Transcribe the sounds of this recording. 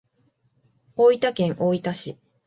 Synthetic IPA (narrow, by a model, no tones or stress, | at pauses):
oːit̪akẽ̞ŋʔoːit̪aɕi